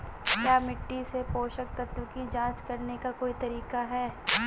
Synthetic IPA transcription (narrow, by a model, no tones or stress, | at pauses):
kjaːmɪʈːisepoːʃək̚t̪ɐt̪wəkid͡ʒãːt͡ʃkɐɾnekakoːit̪ɐɾiːkaɦɛː